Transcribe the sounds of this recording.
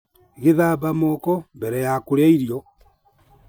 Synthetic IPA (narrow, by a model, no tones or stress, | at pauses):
ɣeðaːβamɔkɔmbɛɾɛjakoɾaiɾiɔ